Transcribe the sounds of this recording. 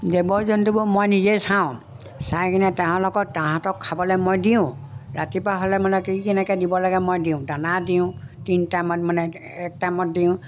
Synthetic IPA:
debɔɹzɔntubʊmojnizejsãʊ̃ | sajkinɛtaɦɔ̃lɔkɔk̚tãɦãtɔkʰːabɔlɛmojdiʊ̃ɹatipɹaɦɔlɛmanɛkikɛnɛkɛdibɔlaɡɛmojdiʊ̃danadiʊ̃tintajmɔtmanɛ | ɛk̚tajmɔt̚diʊ̃

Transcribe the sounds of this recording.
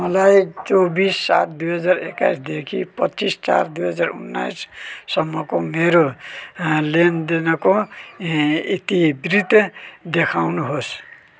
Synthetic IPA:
mʌlajt͡sobisːa̰t̪ʰd̪ujɦʌd͡zareka̰jsd̪ekʰipʌtːt͡sist͡sa̰rd̪ujɦʌd͡zarṵnːa̰jsːʌmːʌkomeɾo | lend̪enʌko | it̪ibrit̪d̪ekʰawnuɦos

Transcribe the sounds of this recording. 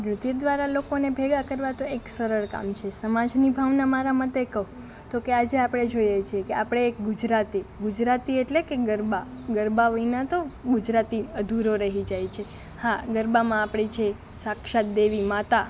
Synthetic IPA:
ɾut̪id̪ʋaɾalokonebʱeɡakəɾʋat̪oeksəɾəɭka̰mt͡ʃʰesəmad͡ʒnibʱaʋnamaɾamət̪ekəɦũ | t̪okead͡ʒeapɽ̃ed͡ʒojet͡ʃʰiekeapɽ̃eːkɡʊd͡ʒɾat̪iɡʊd͡ʒɾat̪ieʈlekeɡəɾbaɡəɾbaʋəinat̪oɡʊd͡ʒɾat̪iəd̪ʱuɾoɾəɦid͡ʒajt͡ʃʰe | haɡəɾbamãːpɽ̃it͡ʃʰe | sakʃat̪̚d̪eʋimat̪a

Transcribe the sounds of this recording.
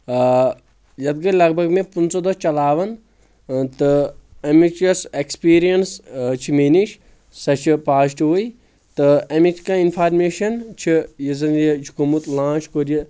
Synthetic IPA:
jɐd̪̚ɡɐlɐɡ̚bʱɐɡmẽpunsod̪ɐt͡ʃɐlaːʋɐn | t̪ɨɐmit͡ʃɐsekspiːɾijɐnst͡ʃʰimeːniʃ | sɐt͡ʃʰipaːsʈɦoj | t̪ɨɐmit͡ʃʰkainpʰaːɾmeːʃɐnt͡ʃʰijizɐnjed͡ʒʰikomut̪lãːt͡ʃkoɾiji

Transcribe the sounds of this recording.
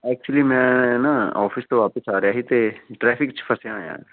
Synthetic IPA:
ɛːk̚t͡ʃuəlimɛ̃ːnaɔːfɪst̪oʋaːpəsaːɾjaːɦit̪eʈɾɛːfʰɪkt͡ʃpʰɐsjãːjã̰ː

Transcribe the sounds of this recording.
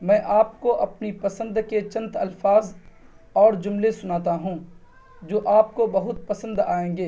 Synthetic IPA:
mɛ̃ːʔaːp̚koʔɐpnipɐsə̃nd̪ket͡ʃɐ̃nt̪ɐ̰lfaːz | ɔːɾd͡ʒʊmlesʊnaːt̪aɦũː | d͡ʒoːʔaːp̚kobɐɦʊt̪̚pɐsə̃nd̪aːẽːɡeː

